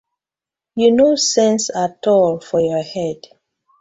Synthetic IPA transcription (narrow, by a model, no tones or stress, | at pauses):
junosɛ̃nsatʰɔlfɔjɔhɛd̥